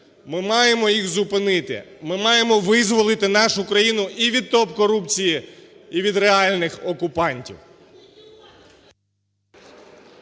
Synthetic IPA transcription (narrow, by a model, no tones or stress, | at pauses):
mɪmɑjemɔjixzʊpɪnɪt̪ɪ̰mɪmɑje̞mɔʋɪzʋɔlˠɪt̪ɪnɑʃʊkɾɐjinʊʔiʋʲid̪̚t̪ɔpkɔɾupt͡sʲijiiʋʲid̪ɾeɑlʲnɪxɔkʊpɑnʲtʲḭw